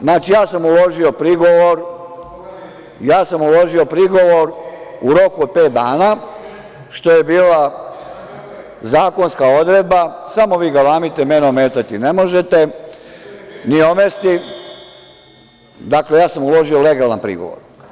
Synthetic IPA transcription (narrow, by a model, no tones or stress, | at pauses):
znaːt͡ʃijaːsamulo̞ʒio̞pɾiɡo̞ʋo̞ɾ | jaːsamulo̞ʒio̞pɾiɡo̞ʋo̞ɾuɾo̞kuod̪̚pe̞ːt̪̚d̪aːna | ʃt̪o̞je̞biːla | zaːko̞nskao̞d̪ɾed̪̚basamo̞ʋiːɡaʋamit̪emenome̞ːt̪at̪inemo̞ʒet̪e | nio̞mest̪i | d̪akle̞jaːsamulo̞ʒio̞leɡalanpɾḭɡo̰ʋo̰ɾ